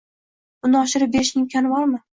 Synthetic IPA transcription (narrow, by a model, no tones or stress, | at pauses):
ʊnɪɒʃɪɾɪp̚be̞ɾɪʃnɪŋkʲʰanɪbɒɾmɪ